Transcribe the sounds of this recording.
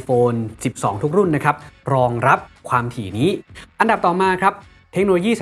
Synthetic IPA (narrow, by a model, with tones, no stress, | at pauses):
foː˧nsi˨˩p̚sɔ̰ː˩˦ŋt̪ʰu˦˥k̚ɾu˥˩nːa˦˥kʰa˦˥p̚ɾɔː˧ŋɾa˦˥p̚kʰwaː˧mt̪ʰiː˩˦niː˦˥ʔa˧nda˨˩p̚t̪ɔː˨˩maː˧kʰɾa˦˥p̚ | t̪ʰe˦˥k̚noː˧lo˧jiː˥˩s